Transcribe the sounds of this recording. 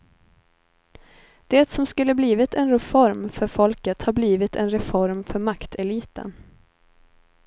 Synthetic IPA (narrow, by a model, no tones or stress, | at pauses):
d̪̥ɛːt̪sɔmskɵlːəbliːvɪt̪ʰɛnɾɛfɔɾmfœɾfɔlkət̪habliːvɪt̪ʰɛ̰nɾɛfɔɾmfœɾmakt̪ʰɛliːt̪ə̰n